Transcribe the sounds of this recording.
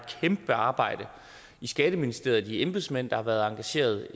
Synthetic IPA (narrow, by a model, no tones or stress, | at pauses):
kʰemb̥əɑ̈ːb̥ɑ̈ɪ̰d̥ə | isɡ̥ɛːɾ̥əminisd̥e̝̰ɐ̰ð̩ˠd̥iemb̥ðˠsmen̰d̥ɑhɑ̈ʋæɐðˠɑ̈ŋɡ̥æɕe̝̰ːɐð̞ˠ